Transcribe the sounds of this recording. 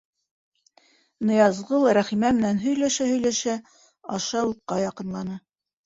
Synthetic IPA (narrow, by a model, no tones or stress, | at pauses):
nɤ̆jɑzʁɤlˠɾæχimæmɘ̆nænɦɵ̆jlæʃæhɵ̆jlæʃæ | ɑ̰ʃɑuqːɑjɑqɤ̆nlˠɑnɤ